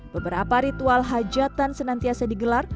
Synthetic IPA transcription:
b̥əbəɾapaɾit̪ualɦad͡ʒat̪ansənant̪iasadiɡəlar

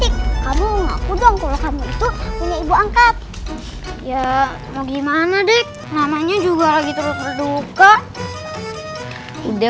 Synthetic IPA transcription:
ɪk̚ːamuŋapudɔŋkalokamuit̪upuɲaibuaŋkat̪̚ | ja | moɡimanadɛk̚namaɲad͡ʒuɡalaɡit̪əɾʊt̪̚bərdukaʔ | udɛ

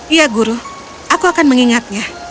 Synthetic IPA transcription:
ijaɡuɾu | ʔakuakanməŋiŋat̪̚ɲa

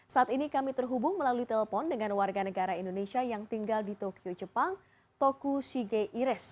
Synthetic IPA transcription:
saʔat̪inikamit̪ərɦubʊŋməlaluit̪ɛləpɔndəŋanwarɡanəɡaɾaindonesiajaŋt̪iŋɡaldit̪okiod͡ʒəpaŋ | t̪okusiɡeʔiɾɛs

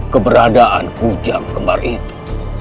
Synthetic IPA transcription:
kəbəɾadaʔankud͡ʒaŋkəma̰rit̪u̥

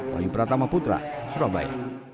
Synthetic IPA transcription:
wa̰jupəɾat̪amaput̪ɾa̰suɾaba̰ja̰

